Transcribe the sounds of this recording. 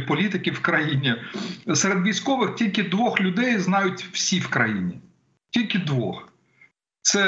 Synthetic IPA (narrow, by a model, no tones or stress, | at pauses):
pɔlʲit̪ɪkʲɪwkɾɐjinʲiseɾed̪ʋʲijsʲkɔʋɪxtʲilʲkɪd̪ʋɔxlʲʊd̪ɛjznɑjʊtʲw̥sʲiwkɾɐjinʲi | tʲilʲkʲɪd̪ʋɔx | t̪sɛ